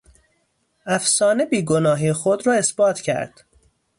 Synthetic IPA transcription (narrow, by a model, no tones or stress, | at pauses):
æfsɒːne̞biːɡonɒːɦiːxod̪ɾɒːe̞sb̥ɒːt̪ʰcʰæ̰ɾd̪̥